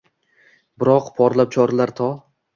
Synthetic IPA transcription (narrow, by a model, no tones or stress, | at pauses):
bɪɾɒqpʰɒɾlˠap̚t͡ʃʰɒɾalaɾt̪ʰɒ